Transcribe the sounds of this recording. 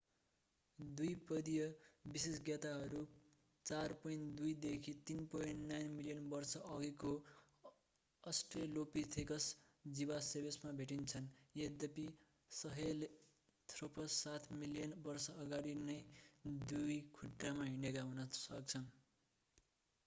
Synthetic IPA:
d̪ujpʌd̪ijʌbisesɡat̪aɦʌɾu | t͡sarpʌjnt̪d̪ujd̪ekʰit̪inpʌjnnajnmiljʌnbʌrsʌʔʌɡiko | ʌsʈrelopit̪ʰekʌs | d͡zibasebesmabʱeʈint͡sʰʌnjed̪ʌpi | sʌɦel | t̪ʰropʰʌsat̪ʰmilijʌnbʌrsʌːɡaɽinʌjd̪ujkʰuʈramaɦinekaɦunʌsʌk̚t͡sʰʌn

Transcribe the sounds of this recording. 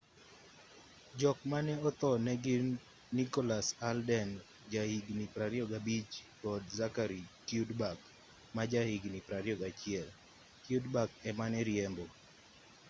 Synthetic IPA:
d͡ʒɔkmanɛɔt̪ɔnɛɡɪ | nikɔlasaldɛn | d͡ʒahiɡnipɾaɾjɔɡabid͡ʒ | kɔdzakaɾikiudbak | mad͡ʒahiɡnipɾaɾjɔɡat͡ʃɪɛl | kiudbakɛmanɛɾjɛmbo

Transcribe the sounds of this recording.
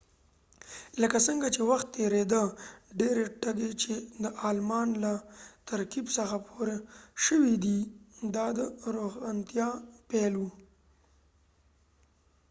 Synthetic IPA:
ləkasəŋɡat͡ʃewaxt̪ːeɾed̪əɖeɾeʈaɡet͡ʃed̪əʔɑlmɑnlat̪aɾkibsəxapʰoɾeʃəwid̪id̪ɑd̪əɾoxant̪jɑpelwu

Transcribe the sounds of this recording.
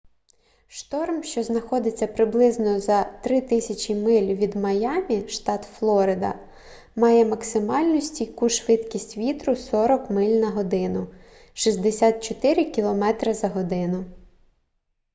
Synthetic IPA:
ʃt̪ɔrmʃt͡ʃɔznɐxɔd̪ɪt͡sʲːɐpɾɪblˠɪznɔzɐt̪ɾɪt̪ɪsʲɐt͡ʃʲimɪlʲʋʲid̪mɐjɑmʲiʃt̪ɑt̪flˠɔɾed̪ɐ̰ | mɑjɛmɐksɪmɑlʲnʊsʲtʲijkuʃʋɪt̪kʲisʲtʲʋʲit̪ɾʊsɔɾɔkmɪlʲnɐɦɔd̪ɪnʊ | ʃizʲd̪esʲat̪̚t͡ʃɔt̪ɪɾʲɪkʲilˠɔmɛt̪ɾɐzɐɦɔd̪ɪnʊ

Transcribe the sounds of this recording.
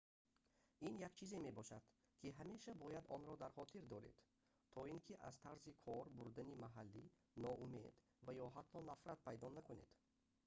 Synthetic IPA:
injakt͡ʃʰize̞me̞bɔʃad̪̥ | kʰiɦame̞ʃabɔjad̪ɔnɾɔd̪aɾχɔt̪ʰiɾd̪ɔɾḛd̪̥ | t̪ʰɔiŋkʰiʔa̰zt̪ʰaɾzikʰɔɾbuɾd̪animaɦalːi | nɔʔume̞d̪ | vajɔɦat̪ʰːɔnafɾat̪̚pʰajd̪ɔnakʰune̞̰d̪̥

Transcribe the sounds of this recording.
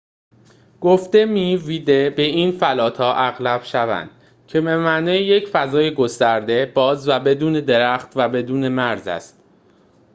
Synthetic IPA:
ɡ̥oft̪e̞miviːd̪e̞be̞iːnfælɒːt̪ʰɒːʔæɣlæb̥ʃævæ̰nd̪̥ | cʰe̞memænɒːjeje̞cʰfæzɒːjeɡo̞st̪æɾd̪e̞b̥ɒːzvæbe̞d̪uːne̞d̪e̞ɾæxt̪væbe̞d̪uːne̞mæɾzæ̰st̪

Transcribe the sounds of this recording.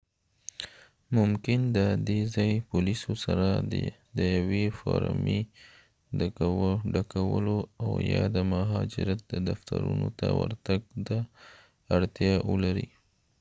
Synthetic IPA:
mʊmkɪnd̪əd̪ezɑjpʊlisosaɾa | d̪əjawefɑɾme | ɖ̪akaɖakawəloawjɑd̪əmaɦɑd͡ʒɪɾat̪̚d̪əd̪aft̪aɾunot̪awəɾt̪aɡ̚d̪a | aɽt̪jɑəlaɾi

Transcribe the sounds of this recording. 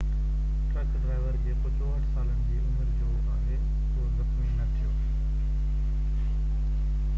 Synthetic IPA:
ʈɾəkɖɾaːɪʋəɾkʰeːkʊd͡ʑoɐʈʰsaːlənɪd͡ʑiːʊnənɪd͡ʑoːʔa̰ːɦeː | uozətminɐt̪ʰijoː

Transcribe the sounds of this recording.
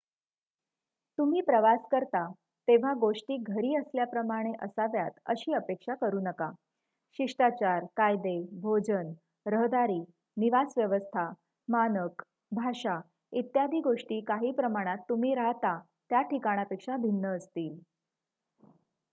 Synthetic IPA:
t̪um̤iːpɾəʋaskəɾt̪a | t̪eʋ̤aɡoʂʈiːɡʱəɾiːəsljapɾəmaɽ̃eʔəsaʋjat̪ə̰ɕiːəpekʂakəɾuːnəka | ɕiʂʈat͡ɕaɾkajd̪ebʱod͡ʑən | ɾəɦd̪aɾiː | niʋasʋjəʋəst̪ʰa | manək | bʱaɕa | it̪jad̪ʱiːɡoʂʈiːkaɦiːpɾəmaɽ̃at̪ːum̤iːɾaɦt̪a | t̪jaʈikaɽ̃apekʂabʱinːəːst̪iːl

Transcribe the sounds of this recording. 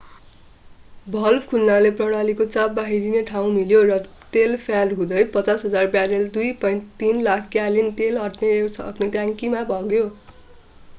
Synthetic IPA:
bʱʌlpkʰulnaleprʌɽ̃alikot͡sap̚baɦiɾineʈʰaw̃miljorʌ | ʈelpʰjalɖɦũd̪ʌjpʌt͡sasɦʌd͡zarbjaɾeld̪ujpʌjnʈt̪inlakʰkjalinʈelʌʈneeksʰʌ̰kneʈjaŋkimabʱʌɡjo

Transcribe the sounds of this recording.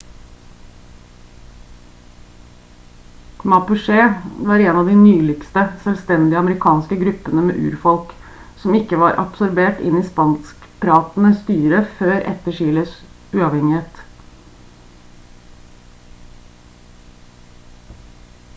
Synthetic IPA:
mɑpʉʂeːʋɑːɾɛnɑʋd̪ɪːnyːlɪkst̪əsɛlst̪ɛnd̪ɪəɑməɾɪkʰɑːnskəɡɾʉpːənəmḛːʔʉ̰ːɾfɔlk | sɔmɪkːəʋɑːɾʔɑ̰psɔɾbeːʈɪ̰nɪspɑnskpʰɾɑːt̪n̩əst̪yːɾəføːɾʔɛ̰t̪ːəʂiːləs | ʉːɑʋhɛŋɪheːt̪

